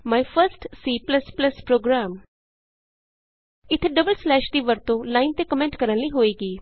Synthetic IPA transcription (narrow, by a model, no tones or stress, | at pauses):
maːjfəɾsʈsiːplɐsplɐspɾoːɡɾaːm | ɪt̪ʰeɖɐbəlslɛːʃʈiːʋəɾt̪õlaːɪnt̪ekəmẽɳʈkəɾənliɦoːeːɡiː